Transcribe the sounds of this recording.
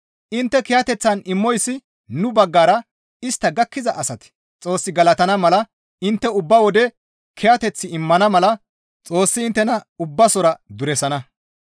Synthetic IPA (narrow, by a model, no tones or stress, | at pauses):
ʔɪnt̪ːɛkɪjat̪ɛt͡sːɐnɪmːɔjsːɪ | nʊbɐɡːaːɾɐ | ɪst̪ːɐɡɐkːɪzɐʔɐsɐt̪ɪ̥ | t͡sʼo̞ːsːɪɡɐlɐt̪ɐnɐmɐlɐ | ɪnt̪ːɛʊbːɐwɔd̪ɛ | kʰɛjat̪ɛt͡sːɪɪmːɐnɐmɐlɐ | t͡sʼo̞ːsːɪːnt̪ːɛnɐʊbːɐsɔɾɐd̪ʊɾɛsɐnɐ